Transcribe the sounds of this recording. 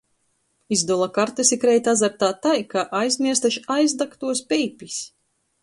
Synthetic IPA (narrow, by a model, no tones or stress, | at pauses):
izd̪ɔlˠakaɾt̪ɨsikɾɛjt̪azaɾt̪aːt̪ajkaʔajzmʲiɛst̪aʃajzd̪akt̪uɔspʲɛjpʲis